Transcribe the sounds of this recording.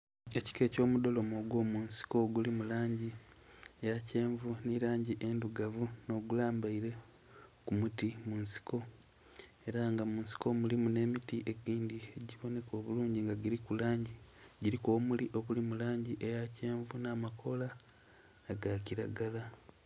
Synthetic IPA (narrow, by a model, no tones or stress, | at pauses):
e̞ci̥ke̞ːco̞ːmudo̞lo̞moɡwo̞ːmunsi̥ko̞ɡulimulaːɲɟi | ejace̞ːɱvuniɾaːɲɟiʔe̞nduɡavuno̞ɡulaːmbaiɾe̞ | kumutimuːnsi̥ko̞ | e̞ɾaŋɡamuːnsi̥ko̞mulimune̞ːmitiʔe̞ɡiːndieɟiβo̞ne̞ko̞ːβuluːɲɟiŋɡaɟiɾikulaːɲɟiɟiɾikoːmuliʔo̞βulimulaːɲɟiʔejace̞ːɱvunaːmakʰo̞laː | ɡaciɾaɡala